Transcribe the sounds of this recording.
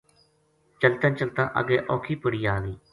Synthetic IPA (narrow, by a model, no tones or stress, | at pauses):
t͡ʃəlt̪ãːt͡ʃəlt̪ãːʔə̰ɡeːʔɔːkʰiːpəɽiːaːʋiː